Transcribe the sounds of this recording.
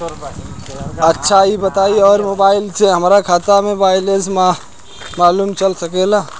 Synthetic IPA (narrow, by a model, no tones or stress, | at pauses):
ɐtːʃʰaibət̪aːiɔːɾmoːbaːɪlseɦəmːɾakʰaːt̪amẽbaːɪlesma | maːluːmt͡ʃəlsəkelaː